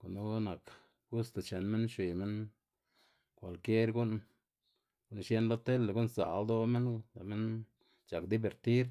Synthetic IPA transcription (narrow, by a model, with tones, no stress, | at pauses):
ko˨nu˦na˨k | ɡu˦st̪e˨t͡ʃe˨nme˦nʃwi˨me˦n | kʷa˨lkje˦ɾɡu˦n | ɡu˦nʃje˦nlo˦t̪e˦lːe˨ɡu˦nsa̰˨ld̪o˦me˦nt̪a˨me˦n | t͡ʃa˨kd̪i˦be˨ɾt̪i˦ɾ